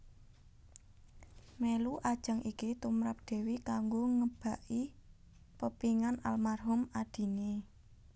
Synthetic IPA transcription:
meluʔad̥ʒ̥a̤ŋikit̪umɾap̚d̪̥e̤wikaŋɡoŋəb̥a̤ʔi | pəpiŋana̰lmarɦʊmad̪̥i̤ne

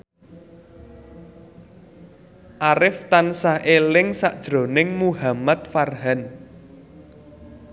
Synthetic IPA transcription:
ʔaɾɪft̪ansahelɪŋsaʔd̥ʒ̥ɾo̤nɪŋmuɦamat̪̚farɦɛn

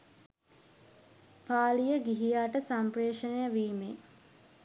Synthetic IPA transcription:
paːlijəɡiɦijaːʈəsampɾeːʂənejəʋiːme

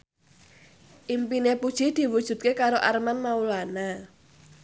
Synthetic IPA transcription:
ʔimpinepud̥ʒ̥i̤d̪̥i̤wud̥ʒ̥ṳt̪̚kekaɾoʔarmanmaulana

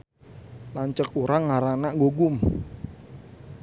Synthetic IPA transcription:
laɲt͡ʃək̚uɾaŋːaɾanaʔŋɡoɡʊm

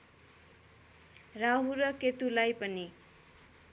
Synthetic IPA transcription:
raɦurʌket̪ulajpʌni

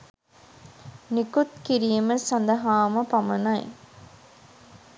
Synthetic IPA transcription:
nikut̪̚kiɾijɐməsɐnd̪ɐɦaːmɐpɐmɐnɐj̰

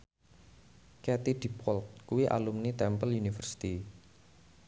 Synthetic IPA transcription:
kɛt̪id̥i̤pɔlt̪̚kuwiʔa̰lumnit̪ɛmpəlunifərsi̥t̪i

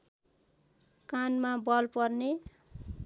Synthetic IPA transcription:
kanmabʌlpʌrne

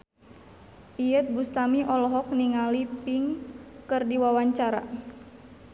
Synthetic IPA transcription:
ijət̪̚bust̪amiʔɔlɔɦɔk̚niŋalipiŋkɨrdiwawaɲt͡ʃaɾa̰

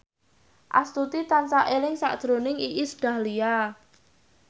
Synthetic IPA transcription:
ʔa̰st̪ut̪it̪ansaʔelɪŋsa̰ʔd̪̥ɾonɪŋiʔisɖ̥a̤hlia

